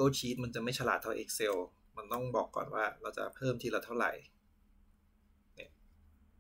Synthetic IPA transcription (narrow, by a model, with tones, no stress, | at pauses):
oː˥˩t͡ɕʰiː˦˥t̪̚ma˧nt͡ɕa˨˩ma˥˩jt͡ɕʰa˧laː˨˩t̪ʰːa˧wʔḛː˧˩k̚se˧w | ma˧nt̪ɔ˥˩ŋbɔː˨˩kːɔ̰ː˨˩nwaː˥˩ɾa˧wt͡ɕa̰˨˩pʰɤː˥˩mt̪ʰiː˥˩ɾa˧wt̪ʰa˥˩wɾa̰˨˩j | ni˥˩